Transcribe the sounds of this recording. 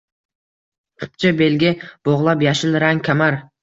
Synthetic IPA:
qʰʊ̥p̚t͡ʃʰabelɡʲɪb̥oʁlˠapjaʃɪlɾaŋkʲʰamaɾ

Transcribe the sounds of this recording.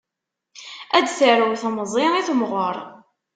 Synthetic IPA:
æd̪θəɾəwθməzˤiɾiθmʁəɾˤ

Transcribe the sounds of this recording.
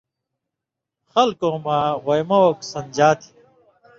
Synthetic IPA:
xɐlkõːmaːʁojmɐwɐksɐnd͡ʑaːt̪ʰi̥

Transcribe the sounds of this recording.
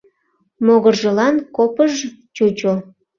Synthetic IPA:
moɣərʒəlɑnkopəʒt͡ɕut͡ɕo

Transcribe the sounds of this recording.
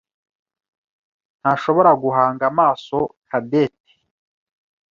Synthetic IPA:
n̥haʃo̞βo̞ɾaɡuɦaːŋɡamaːso̞kʰadet̚e̥

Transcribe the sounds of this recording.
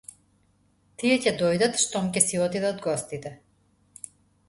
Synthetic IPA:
t̪iɛcɛd̪ɔjd̪at̪ʃt̪ɔmcɛsiɔt̪id̪ɛɔd̪ɡɔst̪it̪ɛ

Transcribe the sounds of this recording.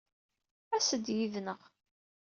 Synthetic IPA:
æsəd̪jiðnəʁ

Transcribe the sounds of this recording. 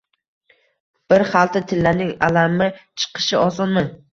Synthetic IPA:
b̥ɪɾχalˠt̪ʰɪt̪ʰɪlːaɾnɪŋa̰lamːɪt͡ʃʰɨ̥qʰɨ̥ʃɪɒsɒnmɪ

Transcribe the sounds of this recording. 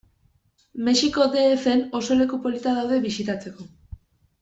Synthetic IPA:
me̞siko̞d̪e̞ːfe̞no̞so̞le̞kupo̞lit̪aðawðe̞βisit̪at͡se̞ko̞

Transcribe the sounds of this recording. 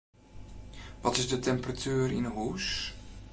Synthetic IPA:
ʋɑtɪzdətɛmpratyːrɪ̰nɦus

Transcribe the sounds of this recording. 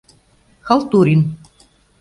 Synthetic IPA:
xalˠt̪uɾʲin

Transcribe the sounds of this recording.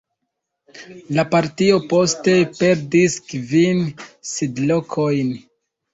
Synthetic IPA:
lapaɾtio̞po̞ste̞pe̞ɾdiskvinsidlo̞kʰo̞jn

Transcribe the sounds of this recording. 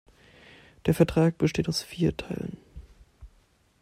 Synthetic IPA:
d̥eːɐfɛɐtʁ̥aːk̚b̥əʃteːtaʊsfiːɐtʰaɪlə̰n

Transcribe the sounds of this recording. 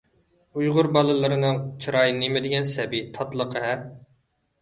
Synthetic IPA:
ujʁʊɾbɑlˠɨlˠɨɾɨnɨŋt͡ʃʰɨɾɑjnemɪd̪ɪɡʲɛnsɛbɪt̪ʰɑt̪lˠəqʰəɦɛ

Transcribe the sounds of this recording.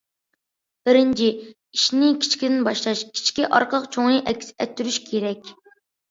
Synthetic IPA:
b̥ɪɾɪnt͡ʃʰi | iʃnɪkʲʰi̥t͡ʃkʲid̪ɪnbɑʃlˠɑʃkʲʰi̥t͡ʃʰkʲiʔɑɾqʰəəqt͡ʃʰoŋɨʔɛkʲsɛt̪ʰːyɾyʃkʲʰeɾɛkʲ

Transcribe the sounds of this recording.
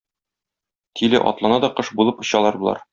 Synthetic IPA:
t̪ʰilɘ̰ʔɒ̰t̪lˠɑnɑd̪ɒqɤʃbulˠɤpɤ̆ɕɑlˠɑɾbulˠɑ̰ɾ

